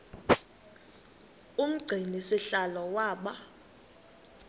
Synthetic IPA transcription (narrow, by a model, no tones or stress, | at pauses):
um̩ɡ͡ǀʱinisiɬalɔwaːɓa